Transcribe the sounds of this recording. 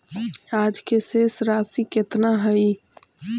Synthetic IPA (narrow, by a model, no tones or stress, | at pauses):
aːd͡ʒkesesɾaːsiket̪naɦəi